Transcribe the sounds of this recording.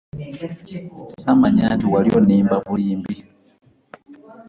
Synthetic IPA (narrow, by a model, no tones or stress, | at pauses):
samaɲaːntiwalioniːmbaβuliːmbi